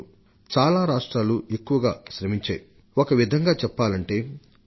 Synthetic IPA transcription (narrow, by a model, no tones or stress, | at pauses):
t͡ʃaːlaːɾaːʂʈɾaːlue̞kːuʋɐɡaːʃɾɐmiɲt͡ʃa̰ːji | okɐʋid̪ʱɐŋɡaːt͡ʃɛpːaːlɐɳʈe̞ː